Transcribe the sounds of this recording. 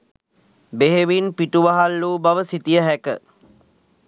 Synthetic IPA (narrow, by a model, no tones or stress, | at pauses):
beɦeʋinpiʈuʋaɦalːuːbaʋəsit̪ijəɦækə